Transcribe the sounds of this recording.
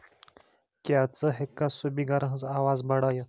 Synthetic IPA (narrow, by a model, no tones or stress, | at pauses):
kjat͡səɦekːasubiːɡaɾə̃ɦəd͡zaʋad͡zbəɽajet̪